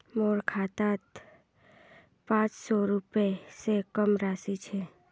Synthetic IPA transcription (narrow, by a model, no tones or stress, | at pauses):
moɽkʰat̪ãt̪ | pãt͡ʃsɔɾupesekəmɾasit͡ʃʰe